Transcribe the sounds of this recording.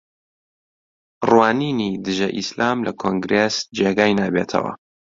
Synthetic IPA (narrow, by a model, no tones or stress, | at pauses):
rwaːniːnid̪ɨʒɐʔislʔaːmlɐkʰoːŋɡɾeːsd͡ʒeːɡaːjnaːbeːt̪ʰɐ̰wɐ̰